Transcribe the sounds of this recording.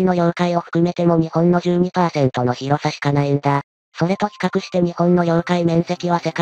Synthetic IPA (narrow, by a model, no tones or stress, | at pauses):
ino̞jo̞ɾ̟kaio̞ɸɯ̥kɯ̟me̞t̪e̞mo̞ɲ̟ihõ̞nːo̞ʑɨːɲ̟ipaːsẽ̞nt̪o̞no̞çiɾo̞saɕi̥kanaind̪a | so̞ɾe̞t̪o̞çʲi̥kakɯ̟ɕi̥t̪e̞ɲ̟ihõ̞nːo̞jo̞̟kaimẽ̞ɰ̃se̞kʲiβase̞ka